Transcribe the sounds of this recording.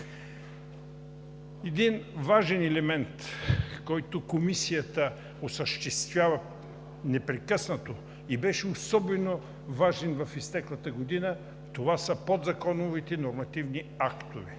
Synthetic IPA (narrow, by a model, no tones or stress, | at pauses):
ɛd̪invaʒɛnɛlɛmɛnt̪kɔjt̪okomisijət̪ə | osəʃt̪ɛst̪vʲjavɐ | nɛpɾɛkɤsnɐt̪o | ibɛʃɛosɔbɛno | vaʒɛnvɐfist̪ɛklˠɐt̪əɡod̪inə | t̪ovasəpod̪zɐkɔnovit̪ɛnoɾmɐt̪ivniakt̪ovɛ